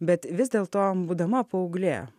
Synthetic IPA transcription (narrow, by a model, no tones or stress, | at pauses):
bʲɛt̪ʋʲɪzʲd̪ʲeːlˠt̪oːbuːd̪ɐmɐpoːʊɡlʲeː